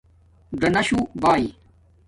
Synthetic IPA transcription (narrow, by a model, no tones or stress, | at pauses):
ɖɐnɐɕubaːi